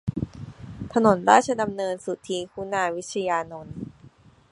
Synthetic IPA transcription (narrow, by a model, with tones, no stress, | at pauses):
t̪ʰa˧no˩˦nɾaː˥˩t̚t͡ɕʰa˧da˧mnɤː˧nsu˨˩t̪ʰiː˧kʰu˦˥naː˧wi˦˥t̪̚t͡ɕʰa˧jaː˧no˧n